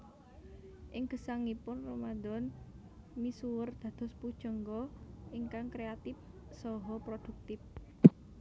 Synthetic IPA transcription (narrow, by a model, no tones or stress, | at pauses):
ʔɪŋɡ̥ə̤saŋipʊnromad̪ɔn | misuwərd̪̥ä̤d̪̥ɔ̤spud̥ʒ̥ɔ̤ŋɡɔʔɪŋkaŋkɾeat̪ɪf | sɔɦɔpɾod̪̥ṳk̚t̪ɪf